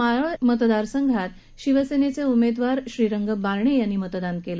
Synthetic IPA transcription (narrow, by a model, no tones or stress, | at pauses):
amət̪d̪aɾsəŋɡʱat̪ | ɕiʋəsenet͡seumed̪ʋaɾɕɾiɾəŋɡəbaɾɳ̃ejanːiːmət̪d̪ankelə